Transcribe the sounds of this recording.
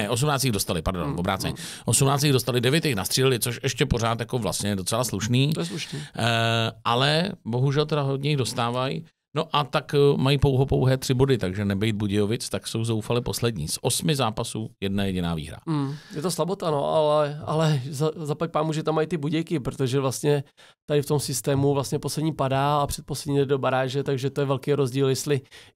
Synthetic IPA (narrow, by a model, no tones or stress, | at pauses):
ɛʔo̞s̬umnaːt͡st̪iːɣdo̞st̪alɪpaɾdonvobɾa̰ːt͡sɛ̰ɲɛʔo̞sumnaːt͡st̪iːɣdost̪alɪdɛvjɛt̪jɛxnast̪r̥iːlɪlɪt͡so̞ʃʔɛʃcɛpo̞ɾaːt̪jako̞vla̰st̪ɲɛjɛdo̞t͡sɛlasluʃniːɛsluʃni | ʔalɛbo̞ɦuʒɛlt̪ɛdaɦo̞dɲɛjɪɣdo̞st̪aːvaj | no̞ʔat̪akmajipowɦopo̞wɦɛːt̪r̝̥ɪbo̞dɪt̪aɡʒɛnɛbɛjd̪̚buɟɪjovɪt͡st̪akso̞wzowfalɪpo̞slɛdɲḭːsʔo̞smɪzaːpasuːjɛdnajɛɟɪna̰ːvḭːɦɾa̰m̩jɛt̪oslabot̪ano̞̰ʔalɛʔalɛzazapac̚paːmuʒɛt̪amːajt̪ɪbuɟɛjkɪpɾot̪oʒɛvlast̪ɲɛ | t̪adɪft̪o̞msɪst̪ɛːmuvlast̪ɲɛposlɛdɲiːpadaːapr̝̥ɛt̪̚poslɛdɲiːdɛdo̞baɾaːʒɛt̪aɡʒɛt̪ojɛvɛlkejɾozɟiːljɛst̪lɪ